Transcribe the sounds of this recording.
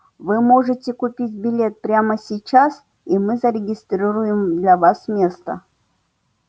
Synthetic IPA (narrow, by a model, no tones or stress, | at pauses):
vɨmoʐɨtʲekupʲitʲbʲɪlʲet̪̚pɾʲaməsʲɪt͡ɕas | imɨzɐɾʲɪɡʲɪst̪ɾʲiɾujɪmd̪lʲavasmʲest̪ə̰